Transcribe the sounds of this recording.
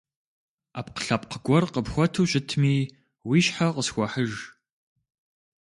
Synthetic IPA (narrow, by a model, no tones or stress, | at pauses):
aːpqə̥ɬɐp̚qəɡʷɔrqəpxʷɔtʰuːɕʼɪtʰmiː | wiːɕħaqəsxʷɔħəʒ